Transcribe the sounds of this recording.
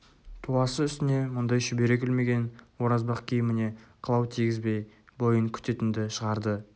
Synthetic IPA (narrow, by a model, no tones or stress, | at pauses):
t̪ʰuɑsəʏst̪ɪne̞mʊnd̪ɑjʃʏbe̞ɾe̞kʲɪlme̞ɡʲe̞nwo̞ɾɑzbɑqkʲʰijɪmɪne̞qʰəlˠɑwt̪ʰiɡʲɪzbe̞j | bo̞jəŋkʲʰʏ̥t̪e̞t̪ɪnd̪ɪʃəʁɑɾd̪ə